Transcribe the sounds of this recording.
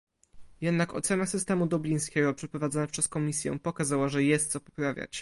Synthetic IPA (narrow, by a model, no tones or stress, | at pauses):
jɛd̪nakɔ̰t̪sɛnasɘst̪ɛmud̪ɔblʲij̃skʲɛɡɔpʂɛpɾɔvad̪zɔnɛpʂɛskɔmʲisʲjɛ̰̃pɔkazawaʐɛjɛst̪sɔpɔ̥pɾavʲja̰t͡ɕ